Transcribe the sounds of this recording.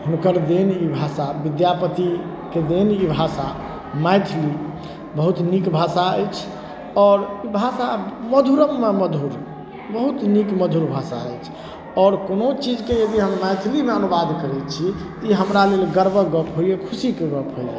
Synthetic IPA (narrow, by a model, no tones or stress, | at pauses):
ɦunkəɾd̪enibʱasabid̪japət̪i | ked̪enibʱasa | majt̪ʰli | bəɦut̪nikbʱasaəjt͡ʃʰ | ɔːɾibʱasaməd̪ʱuɾəmːeməd̪ʱuɾ | bəɦut̪nikməd̪ʱuɾbʱasa̰ə̰jt͡ʃʰ | ɔɾkonot͡ʃid͡ʒkejəd̪iɦəmːajt̪ʰlimeənubad̪kəɾɛt͡ʃʰit̪ɔiɦəmɾalelɡəɾbəɡəpɦoiekʰusikeɡəpɦojḛ